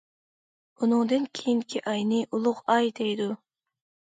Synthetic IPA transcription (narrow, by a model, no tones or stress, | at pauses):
unuŋd̪enkʲʰijiŋkʲʰiʔɑjniʔʊlˠʊqɑjd̪ejd̪u